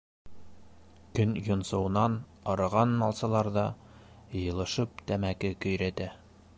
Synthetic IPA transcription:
kɵnjŏnsɤ̆wɤ̆nɑn | ɒɾɤ̆ʁɑnmɑlˠsɑ̆lˠɑɾðɑ | jɤ̆lˠɤ̆ʃɤp̚t̪æmækɘkɵ̆jɾæt̪æ

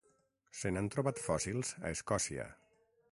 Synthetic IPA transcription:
senant̪ɾoβat̪fɔsilˠz̥a̰eskɔsiə̰

